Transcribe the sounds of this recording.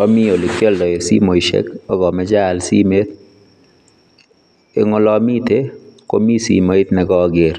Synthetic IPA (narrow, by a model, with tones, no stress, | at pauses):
ɔ˦mi˦o˨lɪ˨kːɔ˦ldɔ˨jɔ˨sḭ˦mo˨iʃḛ˦kɔ˦ɡɔ˨mɛ˦d͡ʒa˦˨lsḭ˦me˦t̪ | ɪ˦ŋʊ˦lɔ˦mi˦t̪e˦ko̰˦mi˦sḭ˨ma˦i˦t̪nɛ˨ɡɔ˦ɡɪɾ